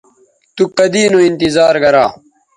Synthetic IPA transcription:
t̪ukɐd̪iːnoint̪izaːɾɡɐɾaː

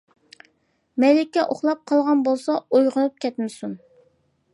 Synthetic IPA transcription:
mɛjlɪkʲːɛʔoχlˠɑp̚qʰɑlˠʁɑnbolˠsɑojʁənɨp̚kʲʰɛt̪mɪsun

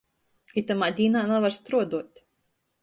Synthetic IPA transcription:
it̪amaːd̪ʲiːnaːnavaɾst̪ɾuɔd̪uɔt̪ʲ

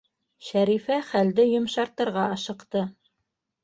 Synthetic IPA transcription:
ʃæɾifæχæld̪ɘjŏmʃɑɾt̪ɤ̆ɾʁɑɑʃɤ̆qt̪ɤ

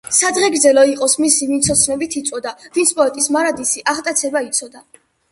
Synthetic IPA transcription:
sad̪ʁɛɡɾdzɛlɔiqʼɔsmisivint̪sʰɔt̪sʰnɛbit̪ʰit̪sʼwɔd̪avint̪sʰpʼɔɛt̪ʼismaɾad̪isiʔaʁt̪ʼat̪sʰɛbait̪sʰɔd̪a

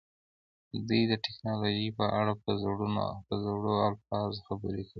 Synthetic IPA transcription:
d̪ujd̪əʈɪknɑloʒipəʔaɽapəpəzaɽoalfɑzxabəɾekəwi

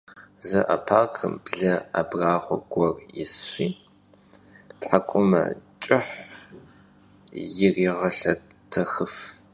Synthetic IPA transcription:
zɐʔɐ̰pʰaːkʰɨmbɮɐabraːχʷɔɡʷɔrjɪ̰sɕiː | tħakʷʼʊmɐ̰t͡ʃʼɪħ | jɪriːʁɐɬɐtʰɐxɨf

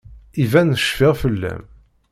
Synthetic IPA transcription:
ivænəʃfɪʁfəlːæ̰m

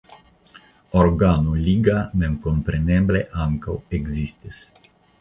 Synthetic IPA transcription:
oɾɡanuliɡanenkompɾenebleʔaŋkaweɡzist̪es

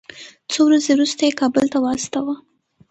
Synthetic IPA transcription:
t͡sowɾazewɾust̪ajekɑbəlt̪awɑst̪awa

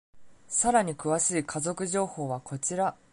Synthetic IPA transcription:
saɾaɲ̟ikɯ̟βaɕiikʰazo̞kɯ̟ʑo̞ːho̞ːβakʰo̞t͡ɕiɾa

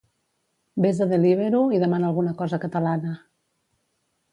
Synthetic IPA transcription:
bezðəðeliβeɾuiðəmanəːlˠɣunəkɔzəkət̪əlanə

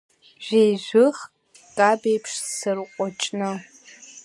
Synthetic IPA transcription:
ʒ̥ʷᶣejʒʷɨχ | kʼabejpʰʂsɨrqʷʼɔt͡ʃʼnɨ

